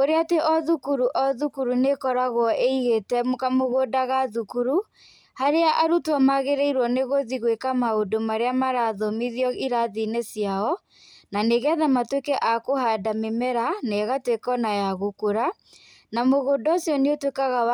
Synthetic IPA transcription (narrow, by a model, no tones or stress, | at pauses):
oɾeateʔɔðukuɾuʔɔðukuɾunekɔɾaɣwɔʔeiɣetɛmkamoɣodaɣaðukuɾu | haɾeaʔaɾutwamaɣeɾɛiɾwɔneɣoðiɣwekamaodomaɾeamaɾaðɔmiðiɔiɾaðinesjaɔ | naneɣɛðamatwekɛʔakohadamemɛɾanɛɣatwekɔnajaɣokoɾa | namoɣoːdɔsjɔneotwekaɣa